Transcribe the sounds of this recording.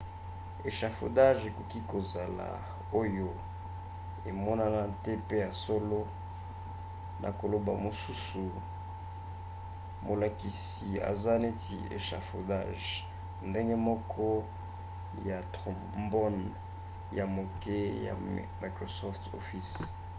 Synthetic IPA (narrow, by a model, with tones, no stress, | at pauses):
e˨ʃa˨fo˨da˦ʒe˨ko˨ki˦ko˨za˨la̰˨ | o˦jo˦ | e˨mɔ˦na˦na˦tɛ˦pe˦ja˨so˦lo˦ | nʔa̰˨ko˨lo˨ba̰˨mo˨su˦su˨ | mo˨la˨ki˨s | i˨a̰˨za˦ne˦tʰḭ˨ḛ˨ʃa̰˨fo̰˨da˦ʒ | nde˦ŋɡe˦mɔ˦kʰɔ˦ | ja˨tʁɔ̃˨ | mbɔ˦n | ja˨mo˨ke˦ja̰˨ | ma˨kʁo˨sɔ˦fto̰˨fi˦s